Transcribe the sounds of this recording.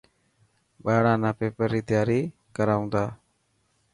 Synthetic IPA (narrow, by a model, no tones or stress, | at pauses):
baɽ̃anapɛpəɾit̪ɛjaɾi | kəɾaw̃d̪a